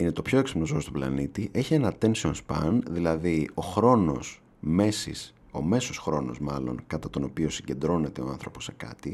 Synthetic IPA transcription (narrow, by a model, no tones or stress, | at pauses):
inet̪o̞pço̞eksi̥pmnozoost̪oblɐ̰nit̪iʔe̞çie̞nɐt̪e̞nsionspɐ̰nðilɐðio̞xɾo̞no̞s | me̞sḭs | o̞̰me̞so̞sxɾo̞no̞̰zmɐlo̞̰ŋkɐt̪ɐt̪o̞no̞pio̞siɟe̞nd̪ɾo̞ne̞t̪e̞o̞ɐnθɾo̞po̞sːe̞̥kɐ̰t̪i